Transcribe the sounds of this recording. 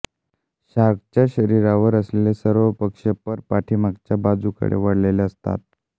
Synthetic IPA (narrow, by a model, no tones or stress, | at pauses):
ɕaɡt͡ɕjaɕəɾiɾaʋəɾəslelesəɾʋəpəkʂepəɾpaʈʰimaɡ̚t͡ɕjabad͡zukə̰ɽḛʋəɽleleəst̪a̰t̪̚